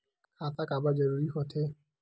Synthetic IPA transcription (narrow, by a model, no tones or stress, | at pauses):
kʰat̪akabad͡ʒɔɾuɾixɔt̪ʰe